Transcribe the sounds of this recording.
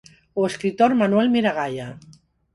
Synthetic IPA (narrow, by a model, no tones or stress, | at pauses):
oeskɾit̪oɾmanwɛlmiɾaɣaja